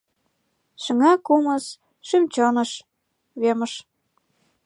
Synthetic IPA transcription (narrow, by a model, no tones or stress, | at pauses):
ʃə̆ŋɑkuməs | ʃymt͡ɕonə̆ʃ | βemə̆ʃ